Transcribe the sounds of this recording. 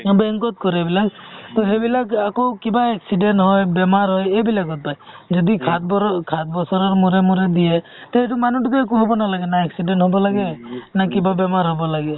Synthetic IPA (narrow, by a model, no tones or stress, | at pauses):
beŋkɔt̪̚kɔɾebilakt̪ɔɦebilakakowkibaeksiɖenʈɦɔjbemaɾɦɔjebilaɡɔt̪̚pajd͡ʒɔd̪ikʰat̪̚bɔkʰat̪bɔsɔɾɔɾmuɾemuɾed̪ie | t̪eeʈumanuʈukeek̬uɦɔbɔnalaɡenaeksiɖenʈɦɔbɔlaɡenakibabemaɾɦɔbɔlaɡe